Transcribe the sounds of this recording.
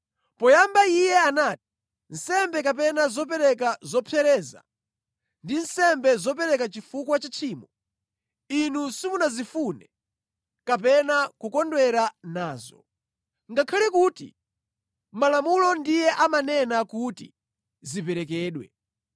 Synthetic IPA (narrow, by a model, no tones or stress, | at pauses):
pɔjambaijɛanati̥ | n̩sɛmbɛk̬ap̬ɛnazɔp̬ɛɾɛkazɔpʰɛɾɛːza̰ | ndinsɛmbɛzɔpɛɾɛkat͡ʃifukwat͡ʃat͡ʃʰiːmɔ | inusimunazifunɛ | kapɛnakukɔndwɛɾanaːzɔ̰ | ŋɡakʰalɛkuːtḭ | malamulɔndijɛʔamanɛnakutḭ | zipɛɾɛkɛːɗwɛ̰